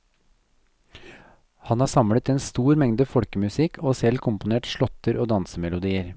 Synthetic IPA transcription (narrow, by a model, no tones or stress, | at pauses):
hɑnhɑːsɑmlət̪ɛːnst̪uːɾmɛŋd̪əfɔɽkəmʉsɪkʰoːsɛlkʰʊmpʊneːʈʃɭɔt̪ːəɾoːd̪ɑnsəmɛlʊd̪iːəɾ